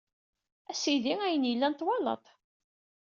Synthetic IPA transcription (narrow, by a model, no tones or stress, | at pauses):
æsiðiæjənjəlːænt̪wɑlə̰t̪ˤ